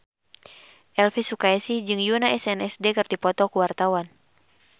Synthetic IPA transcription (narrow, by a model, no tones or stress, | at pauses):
ʔɛlfisukaɛsid͡ʒɨŋjunaʔɛsɛnɛsdɛkɨrdipɔt̪ɔkuwart̪awan